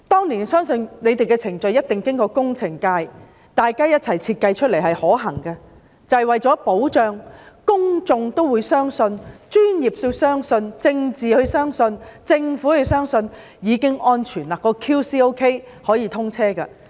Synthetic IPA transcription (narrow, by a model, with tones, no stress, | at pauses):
t̪ɔː˥ŋniː˨˩nsœː˥ŋsɵ˧nne˨˧t̪e˨jkɛː˧t͡sʰɪ˨˩ŋt͡ʃɵ˨ɥjɐ˥t̚t̪ɪ˨ŋkɪ˥ŋkɔː˧kʊ˥ŋt͡sʰɪ˨˩ŋkaː˧j | t̪aː˨jkaː˥jɐ˥t̚t͡sʰɐ˨˩jt͡sʰiː˧t̚kɐ˧jt͡ʃʰɵ˥t̚le˨˩jɦɐ˨jhɔː˨˥ɦɐ˨˩ŋkɐ˧ | t͡sɐ˨jwɐ˨jt͡ʃɔː˨˥po˨˥wt͡ʃœː˨˧ŋkʊ˥ŋt͡sʊ˧ŋt̪o˥wuː˨˧jsœː˥ŋsɵ˧nt͡ʃyː˥njiː˨p̚so˧wsœː˥ŋsɵ˧nt͡sɪ˧ŋt͡siː˨hɵ˧ɥsœː˥ŋsɵ˧nt͡sɪ˧ŋfuː˨˥hɵ˨˧wsœː˥ŋsɵ˧n | jiː˨˧kɪ˥ŋʔɔː˥nt͡ʃʰyː˨˩nlaː˨˩kːɔː˧kʰuː˥siː˥o˥wkʰe˥j | hɔː˨˥jiː˨˧t̪ʰʊ˥ŋt͡sʰɛː˥kɐ˧